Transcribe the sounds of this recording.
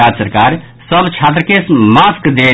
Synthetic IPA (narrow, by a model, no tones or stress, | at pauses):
ad͡ʒsəɾkaɾ | səbt͡ʃʰat̪̬ɾəkesmaskd̪e